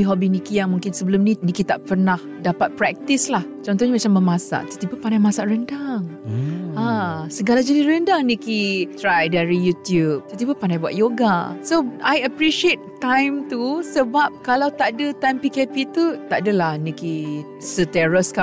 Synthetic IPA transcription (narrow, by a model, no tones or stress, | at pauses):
iɦɔbinikijaŋmũŋkɪnsəbəlʊmninikit̪aʔpənah | dapat̪̚pɾɛk̚t̪islaht͡ʃɔnt̪ɔhɲamat͡ʃambəmasa̰ʔt̪ə̥t̪ipəpandajmasaʔrəndaŋ | ãsəɡalad͡ʒənirəndaŋnikit̪ɾajdaɾijut̪jup̚t̪ət̪ibəpandajbua̰ʔ̪̚joɡasoajəpɾiʃiet̪̚ːajmt̪usəbap̚kalawt̪aʔdət̪ajmpikepit̪ut̪aʔdəlahniki | sət̪ɛɹəska